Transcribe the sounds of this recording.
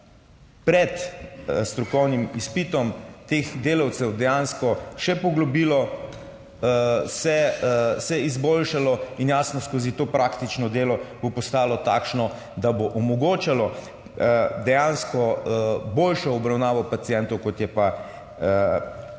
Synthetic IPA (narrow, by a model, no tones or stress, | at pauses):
pɾɛt̪st̪ɾɔkɔwnimispit̪ɔmt̪eːxd̪eːlawt̪sɛwd̪ɛjanskɔʃɛpɔɡlɔbiːlɔ | sɛsɛizbolʃalɔinjaːsnɔskozit̪oːpɾaːkt̪it͡ʃnɔd̪eːlɔbopɔst̪aːlɔt̪aːkʃnɔ | d̪aboʔɔmɔɡoːt͡ʃalɔ | d̪ɛjanskɔboːlʃɔɔbɾawnaːʋɔpat̪sijɛnt̪ɔwkɔt̪jɛpa